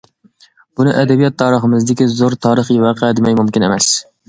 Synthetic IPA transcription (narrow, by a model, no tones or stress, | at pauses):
b̥unɪʔɛd̪ɛbijɑt̪ʰːɑːɾəχəmɨzd̪ɪkʲizoɾt̪ʰɑːɾəχiwɑːqʰɛd̪ɪmɛjmumkʲinɪ̰mɛs